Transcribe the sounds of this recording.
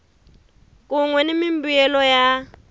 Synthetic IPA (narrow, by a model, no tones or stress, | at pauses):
kʼuŋwɛnɪmimbujɛlɔja